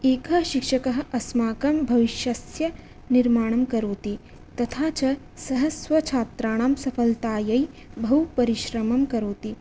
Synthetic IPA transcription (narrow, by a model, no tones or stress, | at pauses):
eːkɐʃikʃɐkɐɦɐ̆ɐsmaːkɐmbʱɐʋiʃjɐsjɐ | niɾmaːɳ̃ɐmkɐɾoːt̪i | t̪ɐt̪ʰaːt͡ʃɐ | sɐɦɐsʋɐt͡ʃʰaːt̪ɾaːɳ̃aːmsɐfʰɐlt̪aːjɐi | bʱɐɦupɐɾiʃɾɐmɐmkɐɾoːt̪i